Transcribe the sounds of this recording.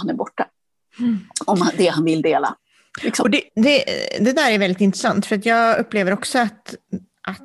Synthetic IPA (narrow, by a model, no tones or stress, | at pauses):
hanæɾbɔʈːa | ɔmd̪ɛhanvɪld̪eːla̰ | lɪksɔɔd̪ɛd̪ɛd̪ɛd̪æːɾæɾvɛld̪ɪt̪ɪnt̪ɾɛsant̪fœɾat̪jɑːɡɵpːleːvəɾɔksɔat̪ | ʔat̪